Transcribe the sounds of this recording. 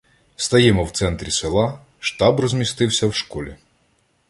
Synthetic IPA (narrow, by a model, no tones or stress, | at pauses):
st̪ɐjɛmɔwt̪sɛnt̪ɾʲiselˠɑ | ʃt̪ɑbrɔzʲmʲist̪ɪwsʲɐwʃkɔlʲḭ